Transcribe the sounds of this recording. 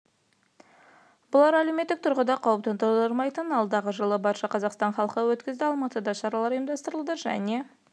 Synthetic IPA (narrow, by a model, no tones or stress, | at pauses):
bʊlˠɑɾælewmet̪ːɪk̚t̪ʰʊɾʁəd̪ɑqʰɑwəp̚t̪ənt̪əɾəɾmɑjt̪ənɑlˠd̪ɑʁəʒəlˠəbɑɾʃɑqʰɑzɑqst̪ɑnχɑlˠəqəwɵt̪kʲɪzd̪ɪɑlˠmɑt̪əd̪ɑʃɑɾɑlˠɑɾijmd̪ɑst̪əɾəlˠd̪əʒæ̰ne̞